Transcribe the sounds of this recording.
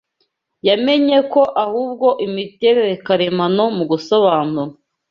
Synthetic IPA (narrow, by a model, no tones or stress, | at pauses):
jame̞ɲeko̞ʔahuːbɡo̞ʔimite̞ɾe̞ɾekaɾemano̞muɡusoβaːnuɾa